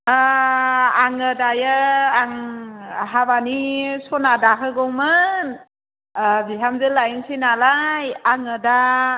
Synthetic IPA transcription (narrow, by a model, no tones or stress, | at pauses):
aŋədajəaŋ | ɦaβanisɔnadakʰɯɡɔŋmɯn | biɦamzɯlajŋsinalajaŋɯda